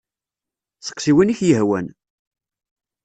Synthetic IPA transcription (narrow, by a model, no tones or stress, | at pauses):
sə̥qsiwiniçjəɦwæ̰n